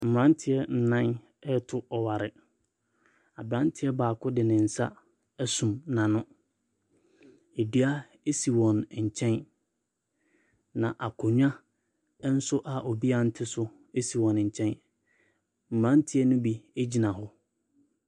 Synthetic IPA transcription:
m̩˨mã˦n˦tʰɪ˨ɛ˦n̩˨˦nã˦n | ɛ˦tʰʊ˦ɔ˨wa˨ɾɪ˨ | a˨bɾã˦n˦tʰɪ˦ɛ˦baː˨kʊ˦dɪ˨nɪ̃˨n̩˨sa̰˦ | sũ˨mnã˨nʊ̃˦ | e˨di˦a˦ | e˦si˨wɔ̃˨n˨ɲ̩˨t͡ɕʰɛ̃˦n | nã˨ʔa˨kʰʊ˨ɲᶣ˦ã˦ | n̩˦sʊ˦ʔa˨ʔo˨bi˦a˦n̩˦tʰɪ˦sʊ˦ | e˦si˨wɔ̃˨n˨ɲ̩˨t͡ɕʰɛ̃˦n | m̩˨mã˦n˦tʰɪ˦ɛ˦nʊ̃˦bi˦e˦d͡ʑi˨nã˨ɦʊ˦

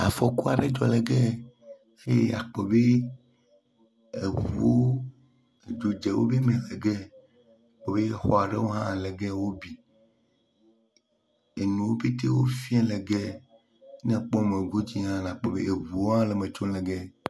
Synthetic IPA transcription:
a̰˨fɔ˨ku˦a˨ɖe˦d͡ʒɔ˨le˨ɡɛ˦ | xe˦˨a̰˨k͡pɔ˨be˦ | e˨vu˨o˦ | e˨d͡ʒo˨d͡ʒɛ˨wo̰˦be˦mɛ̃˨le˨ɡɛ˦˨ | k͡pɔ˨be˦xɔ˨a˨ɖe˦wo˦ɦã˦˨lɛ˨ɡɛ˦wo˦bi˨ | e˨nũ˨wo˦be˦t̪e˦wo˦fĩ˦ɛ̃˦lɛ˨ɡɛ˦ | nɛ̃˦k͡pɔ˦˨mẽ˨ɡu˦d͡ʑi˦ɦã˦lã˨k͡pɔ˨bḛ˦e˨vu˨o˦ɦã˦le˨mẽ˨t͡ʃo˦lɛ˨ɡɛ˦

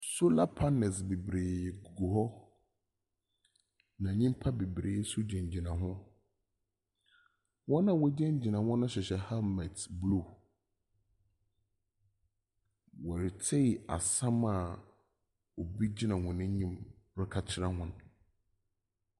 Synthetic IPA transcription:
sʊ˦la˦pʰa˦nɛ˨sbe˨bɾeː˨jɡu˨ɡu˨ɦɔ˦ | nã˨ɲĩ˦m˦pʰa˦be˨bɾeː˨˦sʊ˦d͡ʑɛ̃˨ɲ˨d͡ʑi˨nã˨ɦʊ̃˦ | wɔ˦nã˨wɔ˦d͡ʑɛ̃˦ɲ˦d͡ʑi˨nã˨hɔ̃˦nʊ̃˦ɕɪ˨ɕɛ˨ha˦mɛ˨tblu˦˨ | wɔ˨ɾɪ˨tʰe˦˨a̰˨sã˦ma˨ | o˨bi˦d͡ʑi˦nã˨hʊ̃˨nɪ̃˦ɲĩ˦m | ɾɪ˦kʰa˨t͡ɕʰɪ˦ɾã˦ɦʊ̃˦n

